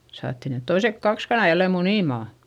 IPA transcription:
sɑːtːi net toisek kɑks kɑnɑˑ jælːem muniˑmɑˑ

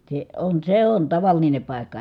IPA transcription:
se on seː on tɑʋɑline pɑˑi̯kːɑ

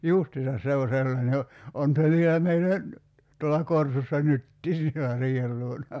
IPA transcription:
justisɑs se o sʲelːɑne o on se ʋielæ meilːæ n̩ tuolːɑ korsusːɑ nytːiː sielæ riːhel luonɑ

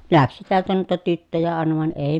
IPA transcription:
læksi tiæltæ nuitɑ tytːøjæ ɑˑenɑ ʋɑˑen eˑi

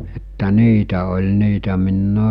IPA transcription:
etːæ niːtæ olʲ niːtæ minː

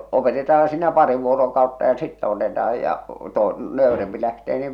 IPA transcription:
opetetɑːn siːnæ pɑri ʋuorokɑutːɑ jɑ sitːæ otetɑɑj jɑ to nøˑy̞rempi læhteː niːʋ

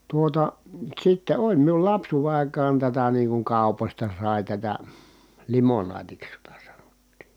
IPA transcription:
tuotɑ sitːe olʲ miul lɑpsuːʋe ɑˑikɑːn tætæ niːŋ kuŋ kɑˑu̞posʲtɑ sɑˑi tætæ limonɑːtiks jotɑ sɑ̥n̥o̥tːi̥ː

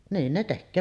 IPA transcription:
niːn ne tekːøː

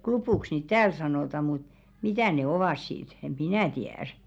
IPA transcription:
klupuˑks niːt tæːl sɑnoˑtɑ mut mitæˑ ne oʋɑˑs sit em̥ minæˑ tiæˑr

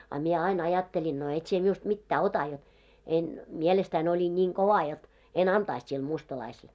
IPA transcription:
ɑ mie ɑin ɑjɑtːelʲin no et sie miust mitːæː otɑ jot en mielestæin olʲin nʲiːŋ koʋɑ jot en ɑntɑist sil mustɑlɑisel

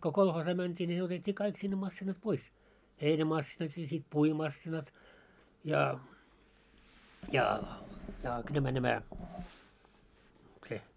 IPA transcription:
ko kolhoːsɑː mæntʲiː nʲi ne otetʲːiː kɑik sinːe mɑsːinɑt pois heinæmɑsːinɑt jɑ sit puimɑsːinɑt jɑ jɑ jɑˑ k næmæ næmæ se

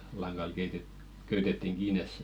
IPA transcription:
lɑŋɡ̊ɑl keitet køytetetːiŋ ɡ̊iːnes se

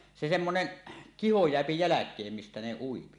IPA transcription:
se semːonen kiho jeæpi jælækˑeːm mistæ ne uipi

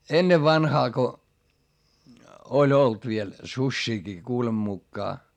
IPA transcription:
enːeʋ ʋɑnhɑː ko olʲ olt ʋiel susʲːiːkiː kuːlem mukːɑː

